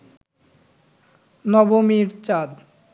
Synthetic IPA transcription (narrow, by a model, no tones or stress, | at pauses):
nɔbomiɾt͡ɕad̪